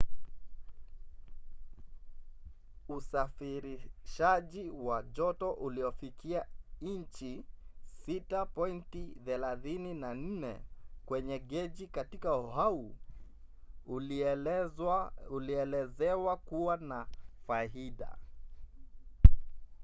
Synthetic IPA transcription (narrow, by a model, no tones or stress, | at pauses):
usafiɾiʃaʄiwaʄɔtɔʔuliɔfikiaɲt͡ʃisitapɔintiθɛlaθininan̩nɛ̰kwɛɲɛɠɛʄikatikauɦau | uliɛlɛzɛwakuwanafaiɗa̰